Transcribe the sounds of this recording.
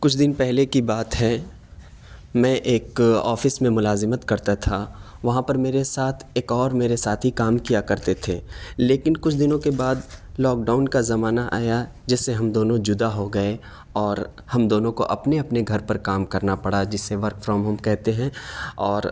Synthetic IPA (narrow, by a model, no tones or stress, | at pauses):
kʊt͡ʃʰd̪ɪnpɛɦlekibaːt̪ɦɛ | mɛ̃ʔeːkɔ̰ːfɪsmẽmʊlaːzɪmət̪kɐɾt̪at̪ʰaʋɐɦãpɐɾmeːɾesaːt̪ʰeːkɔːɾmeːɾesaːt̪ʰɦikaːmkijakɐɾt̪et̪ʰeːleːkɪnkʊt͡ʃʰd̪ɪnõkebaːd̪lɔːk̚ɖaːʊnkazɐmaːnaʔa̰ːja | d͡ʒɪsːeɦɐmd̪oːnõd͡ʒʊd̪aɦoɡɐe | ɔːɾ | hɐmd̪oːnõko̰ʔɐpneɐpneɡʱɐɾpɐɾkaːmkɐɾnapɐɽad͡ʒɪsːeʋɐɾkfɾɔːmɦɐmkɛɦt̪eɦɛ̃ɔːɾ